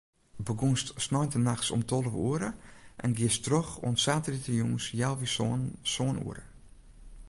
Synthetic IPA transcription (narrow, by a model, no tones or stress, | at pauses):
bəɡunstsnɔjntənaxsɔ̰mtʰolˠəʋuəɾəʔɛnɡiɪəstroxo̰ənsaːtəritəjuŋsjalˠʋisoənṵəɾə̰